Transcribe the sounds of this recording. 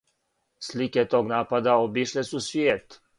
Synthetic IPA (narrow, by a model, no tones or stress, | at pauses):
slikɛt̪oːɡnaːpad̪aobiʃlesusvjeːt̪